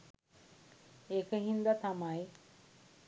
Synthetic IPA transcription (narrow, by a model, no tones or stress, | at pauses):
ekəɦind̪at̪amaj